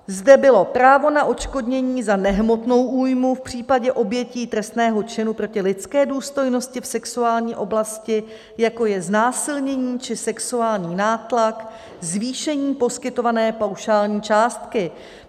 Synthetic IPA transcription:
zdɛbɪlo̞pɾaːvo̞naʔo̞t͡ʃko̞dɲɛɲiːzanɛɦmo̞t̪no̞wʔuːjmufpr̝̥iːpaɟɛʔo̞bjɛciːt̪ɾɛst̪nɛːɦo̞t͡ʃɪnupɾo̞cɪlɪt͡skɛːduːst̪o̞jno̞scɪfsɛksuaːlɲiːʔo̞blascɪ | jako̞jɛznaːsɪlɲɛɲiːt͡ʃɪsɛksuaːlɲiːnaːt̪lak | zviːʃɛɲiːpo̞skɪt̪o̞vanɛːpawʃaːlɲiːt͡ʃaːst̪kɪ

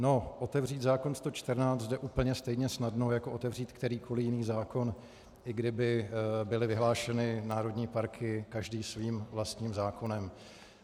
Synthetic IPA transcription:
no̞ʔo̞t̪ɛvr̝iːt̪zaːko̞nst̪o̞t͡ʃt̪əɾnaːt͡s̪zdɛʔuːpl̩ɲɛst̪ɛjɲɛsnadnowjakoʔo̞t̪ɛvr̝iːt̪kt̪ɛɾiːko̞lɪjɪniːxzaːko̞n | ʔɪɡdɪbɪbɪlɪvɪɦlaːʃɛnɪnaːɾo̞dɲiːpaɾkʰɪkaʒdiːsviːmvlast̪ɲiːmzaːko̞nɛm

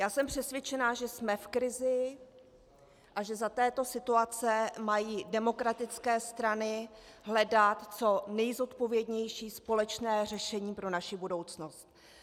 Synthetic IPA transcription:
jaːsɛmpr̝̥ɛsvʲjɛt͡ʃɛnaːʒɛsmɛfkɾɪzɪ | ʔaʒɛzat̪ɛːt̪o̞sɪt̪uat͡sɛmajiːdɛmo̞kɾat̪ɪt͡skɛːst̪ɾanɪɦlɛdat̪t͡so̞nɛjzo̞t̪po̞vjɛdɲɛjʃiːspo̞lɛt͡ʃnɛːrɛʃɛɲiːpɾo̞naʃɪbudo̞wt͡sno̞st̪̚

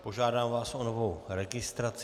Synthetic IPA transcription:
po̞ʒaːdaːmvaːsʔonovowɾɛɡɪst̪ɾat͡s

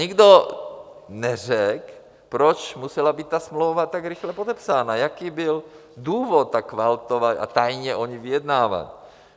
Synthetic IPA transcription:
ɲɪɡdo | nɛr̝ɛk | pɾot͡ʃmusɛlabiːt̪̚t̪asmlowvat̪aɡɾɪxlɛpod̪ɛpsaːnajakiːbɪl | duːvot̪̚t̪ːakvalt̪ovata̰t̪ajɲɛʔoɲivɪjɛd̪naːva̰t

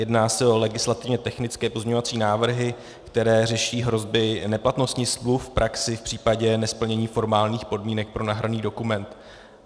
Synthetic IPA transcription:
jɛdnaːsɛo̞lɛɡɪslat̪ɪvɲɛt̪ɛxnɪt͡skɛːpo̞zmɲɛɲo̞vat͡siːnaːvr̩ɦɪ | kt̪ɛɾɛːr̝ɛʃiːɦɾo̞zbɪnɛplat̪no̞st̪ɲɪslufpɾʔaksɪfpr̥iːpaɟɛnɛspl̩ɲɛɲiːfo̞ɾmaːlɲiːxpo̞dmiːnɛk̚pɾo̞naɦɾaniːdo̞kumɛnt̪

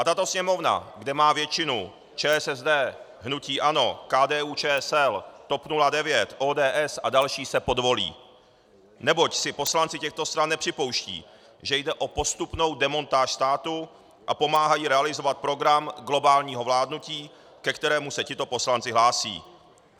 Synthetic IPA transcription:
ʔat̪at̪o̞sɲɛmo̞vna̰ɡdɛmaːvjɛt͡ʃɪnu | t͡ʃɛːɛsɛzdɛː | ɦnuciːʔano̞kaːdɛːuːt͡ʃɛːɛsɛlt̪o̞pnuladɛvjɛt̪ʔoːdɛːʔɛsʔadalʃiːsɛpo̞dvo̞lḭː | nɛbo̞csɪpo̞slant͡sɪcɛxt̪o̞st̪ɾanːɛpr̥ɪpo̞wʃcḭː | ʒɛjdɛʔo̞po̞st̪upno̞wdɛmo̞nt̪aːʃst̪aːt̪u | ʔapo̞maːɦajiɾɛalɪzo̞vat̪̚pɾo̞ɡɾamɡlo̞baːlɲiːɦo̞vlaːdnuciː | kɛkt̪ɛɾɛːmusɛcɪt̪o̞po̞slant͡sɪɦlaːsḭː

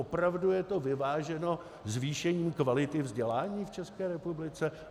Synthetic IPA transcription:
opɾavdujɛt̪o̞vɪvaːʒɛno̞ | zviːʃɛɲiːmkvalɪt̪ɪvzɟɛlaːɲiːft͡ʃɛskɛːɾɛpublɪt͡sɛ

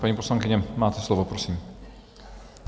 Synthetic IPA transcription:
paɲiːposlaŋkɪɲɛmaːt̪ɛslovopɾosiːm

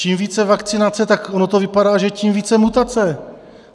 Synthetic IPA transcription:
iːmviːt͡sɛvakt͡sɪnat͡sɛt̪akonot̪o̞vɪpadaːʒɛciːmviːt͡sɛmut̪at͡sɛ

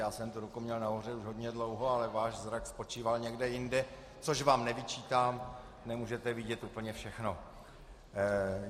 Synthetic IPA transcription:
jaːsɛmt̪uɾukumɲɛlnaɦor̝ɛuʒɦo̞d̪ɲɛdlowɦo̞alɛvaːʃzɾakspo̞t͡ʃiːvalɲɛɡdɛjɪndɛ | t͡soʃvaːmnɛvɪt͡ʃiːt̪aːm | nɛmuːʒɛt̪ɛvɪɟɛt̪ʔuːpl̩ɲɛfʃɛxno̞

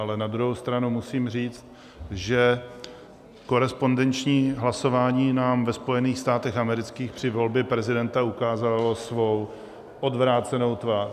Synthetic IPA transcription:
alɛnad̪ɾuɦowst̪ɾanumusiːmr̝iːt͡st̪̚ | ʒɛ | ko̞ɾɛspo̞ndɛnt͡ʃɲiːɦlaso̞vaːɲiːnaːmvɛspo̞jɛniːxst̪aːt̪ɛxamɛɾɪt͡skiːxpr̥ɪvo̞lbjɛpɾɛzɪdɛnt̪aukaːzalo̞svo̞w | ʔodvɾaːt͡sɛno̞wt̪vaː

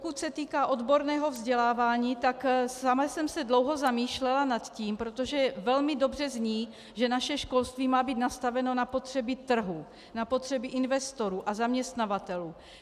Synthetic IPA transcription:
pokucsɛt̪iːkaːʔo̞d̪bo̞ɾnɛːɦo̞vzɟɛlaːvaːɲiːt̪aksamasɛmsɛdlowɦo̞zamiːʃlɛlanat̪ciːmpɾo̞t̪o̞ʒɛvɛlmɪdo̞br̝ɛzɲiː | ʒɛnaʃɛʃko̞lst̪viːmaːbiːt̪nast̪avɛno̞napo̞t̪r̝̥ɛbɪt̪r̩ɦu | napo̞t̪r̝̥ɛbɪʔɪnvɛst̪o̞ɾuːʔazamɲɛst̪navat̪ɛluː

